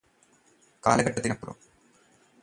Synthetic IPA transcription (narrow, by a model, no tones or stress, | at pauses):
ka̰ːlɐɣɐʈːɐt̪ːinɐpːuro̰m